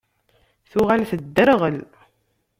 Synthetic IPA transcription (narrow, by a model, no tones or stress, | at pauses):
θʊʁalθəd̪ːəɾʁəl